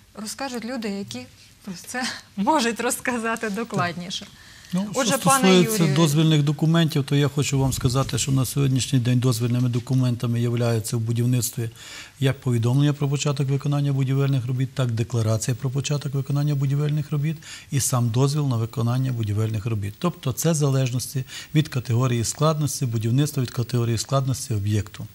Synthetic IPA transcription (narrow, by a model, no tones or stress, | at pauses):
rɔskɑʒʊtʲlʲud̪ɪjɐkʲi | pɾɔt̪sɛmɔʒʊtʲrɔskɐzɑt̪ɪd̪ɔklˠɑdʲnʲiʃɛ | nuʃɔʒɛt̪ɔɑsnujjeut͡sʲːɐd̪ɔzʲʋʲilʲnɪxd̪ɔkʊmɛnʲtʲiwt̪ɔjaxɔt͡ʃʊʋɑmskɐzɑt̪ɪʃt͡ʃɔnɐsʲɔɦɔdʲnʲiʃnʲɪjd̪ɛnʲd̪ɔzʲʋʲilʲnɪmɪd̪ɔkʊmɛnt̪ɐmɪjɐʋlʲajet͡sʲːɐwbʊdʲiwnɪt̪st̪ʋʲi | jɐk̚pɔʋʲid̪ɔmlˠenʲːɐpɾɔpɔt͡ʃɑt̪ɔkʋɪkɔnɑnʲːɐbʊdʲiʋɪlʲnɪxrɔbʲit̪ːɑkd̪eklˠɐɾɑt͡sʲijɐpɾɔp̬ɔt͡ʃɑt̪ɔkʋɪkɔnɑnʲːɐbʊdʲiʋɪlʲnɪxrɔbʲit̪isɑmd̪ɔzʲʋʲilˠnɐʋɪkɔnɑnʲːɐbʊdʲiʋɪlʲnɪxrɔbʲit̪ːɔpt̪ɔt̪sɛzɐlˠɛʒnɔsʲtʲiʋʲid̪kɐt̪eɦɔɾʲijisklˠɑd̪nɔsʲtʲibʊdʲiwnɪt̪st̪ʋɐʋʲid̪kɐt̪eɦɔɾʲijisklˠɑd̪nɔsʲtʲiɔbjɛkt̪ʊ